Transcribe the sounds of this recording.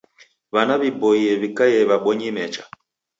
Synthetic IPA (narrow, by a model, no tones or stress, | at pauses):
βanaβibɔiɛβikajɛβaɓɔɲimɛt͡ʃḁ